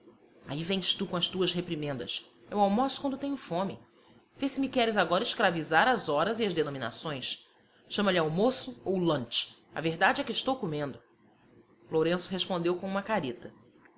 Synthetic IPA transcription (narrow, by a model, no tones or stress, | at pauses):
a̰ivẽj̃st̪ukõɐst̪uɐsɦepɾimẽnd̪ɐ̰s | ɛwawmosʊ̥kwɐ̃nd̪ʊt̪ẽɲ̃ʊfõmɪ | vesɪmikɛɾɪzaɡɔɾɐɪʃkɾavizaɾɐzɔɾɐziɐzd̪enõmina̰sõj̃s | ʃɐ̃mɐlɪawmosʊowlɐ̃nt͡ʃɐ̰veɾd̪ad͡ʒɪɛkɪiʃt̪owkomẽnd̪ʊ | loɾẽsʊ̥ɦeʃpõnd̪ewkõũmɐkaɾit̪ɐ